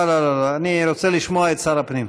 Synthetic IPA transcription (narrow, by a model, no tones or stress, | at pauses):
alalalaaniɾot͡seliʃmoaet̪saɾapnim